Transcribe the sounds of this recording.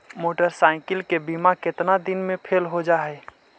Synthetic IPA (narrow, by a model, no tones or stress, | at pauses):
moːʈəɾsaːɪkɪlkebimakɪt̪nad̪ɪnmẽpʰeːlɦod͡ʒaɦɛ